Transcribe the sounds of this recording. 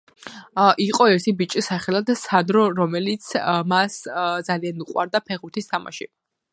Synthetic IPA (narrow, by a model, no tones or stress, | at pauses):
ʔiqʼɔɛɾt̪ʰibit͡ʃʼisaχɛlˠad̪sanɾɔɾɔmɛlit̪sʰmasd̪zalianuqʼwa̰ɾd̪apʰɛʁut̪ʰist̪ʰama̰ʃḭ